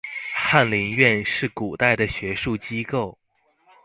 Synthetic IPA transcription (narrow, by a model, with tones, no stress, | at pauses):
xa˥˩nli˧˥ŋɥɛ˥˧nʂɻ̩˥˩ku˨˩t̪a˥˩ɪd̪ə˩ɕɥɛ˧˥ʂu˥˩t͡ɕi˥ko˥˩ʊ